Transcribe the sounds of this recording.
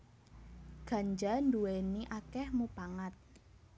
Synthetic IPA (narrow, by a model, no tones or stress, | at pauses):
ɡ̥a̤ɲd͡ʒanduweniʔakɛhmupaŋat̪̚